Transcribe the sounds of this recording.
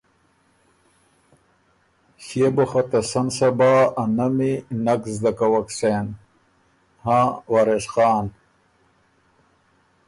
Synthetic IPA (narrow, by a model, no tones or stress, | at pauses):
ɕeboxɐt̪ɐsɐnsɐbaːɐnɐminɐkzd̪ɐkɐwɐkseːn | hãwaɾeʂxaːn